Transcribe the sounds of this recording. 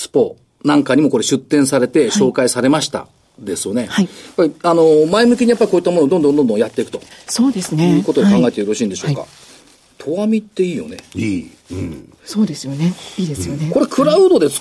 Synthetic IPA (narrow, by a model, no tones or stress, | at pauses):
sɨ̥po̞ | nãŋkaɲ̟imo̞ko̞ɾe̞ɕɨt̪ːẽ̞ɰ̃saɾe̞t̪e̞ɕo̞ːkaisaɾe̞maɕi̥t̪a̰ | d̪e̞sɨjo̞ne̞haijjapːaɾiano̞maemɯ̟kʲiɲ̟ijapːaɾʲikoːit̪ːmo̞nod̪ond̪õnd̪ond̪õ̞jat̪ːe̞ikɯ̟t̪o̞soːd̪esɨjɯ̟ːko̞t̪ookãŋɡae̞t̪eɯɾoɕĩːnd̪e̞ɕo̞ka̰ | t̪ʰo̞βamʲit̪ːe̞iːjo̞̰ne | soːd̪esɨjoneiːd̪essjoko̞ɾe̞kʰɯ̟ɾaɯ̟d̪o̞d̪e̞̥